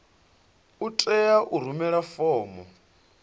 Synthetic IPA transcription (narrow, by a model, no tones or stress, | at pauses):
utʼɛjaʔuɾ̤umɛɺafɔːmɔ